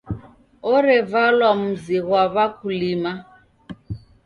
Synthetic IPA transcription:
ɔɾɛvalwam̩ziɣwaβakʰulima

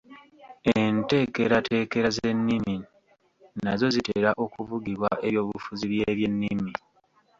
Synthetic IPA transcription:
ente̞ːke̞ɾatʰe̞ke̞ɾaze̞nːimi | nazo̞ziteːɾaʔo̞kuvuɡiβwaʔe̞βjo̞ːβufuziβjeːβje̞nːimmi

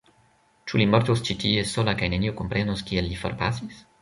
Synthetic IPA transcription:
t͡ʃulimɔɾt̪ust͡ʃit̪iesːolakajneniokumpɾʔendoskielːifo̰ɾpasis

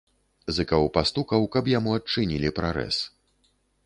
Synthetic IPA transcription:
zɨkɐwpast̪ukɐwkɐpjamuɐt̚t͡ʂɨnʲilʲipɾaɾɛ̰s

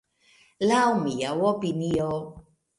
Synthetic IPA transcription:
laumijawɔpinijɔ

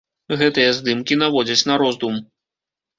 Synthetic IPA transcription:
ɣɛt̪ɨjɐzd̪ɨmkʲinavɔd͡zʲɐt͡sʲnɐɾɔzd̪um

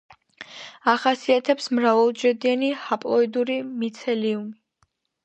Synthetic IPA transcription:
aχasiat̪ʰɛpsmɾavalˠd͡ʒɛd̪ianihapʼlˠɔid̪uɾimit̪sʰɛliumi

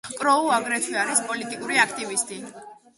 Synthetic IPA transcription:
kʼɾɔuaɡɾɛt̪ʰwiaɾispʼɔlit̪ʼikʼuɾiakʰt̪ʼivist̪ʼi

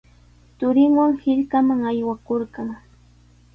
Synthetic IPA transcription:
t̪ʊɾɪŋwaŋhɪʎkamaŋajwakoɾɢɑŋ

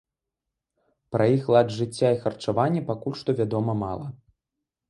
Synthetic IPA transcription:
pɾʔɐjixlˠadʐɨt͡sʲːaixɐrt͡ʂavanʲːɛpakulʲʂt̪ɔvʲad̪ɔmɐma̰lˠɐ

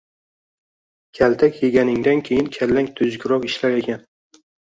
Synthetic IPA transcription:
kʲʰalt̪ʰakʲjeɡʲanɪŋd̪ankʲʰejɪnkʲʰalːaŋt̪ʰʊzɡʲʊɾɒqɪʃlaɾe̞kʲʰan

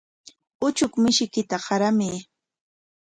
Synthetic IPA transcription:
ʊt͡ʃʊkmɪʃɪkɪt̪aɢɑɾamiː

